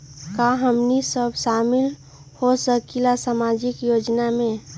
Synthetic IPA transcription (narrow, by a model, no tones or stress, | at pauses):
kaɦəmnisəbʃaːmɪl | hosəkilasamad͡ʒɪkjoːd͡ʒnamẽ